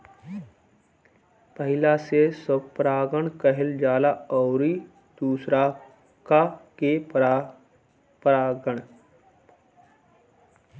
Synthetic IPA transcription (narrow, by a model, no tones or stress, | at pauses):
pəɦɪlasesəb̚pɾaːɡəɳkəɦɪld͡ʒaːlaɔːɾi | d̪̥uːsɾa | kake | pɾaːɡəɳ